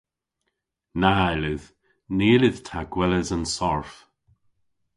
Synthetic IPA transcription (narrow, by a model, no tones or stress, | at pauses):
naɛlɪð | neːlɪð̥tʰaɡwɛləzənsɔɹf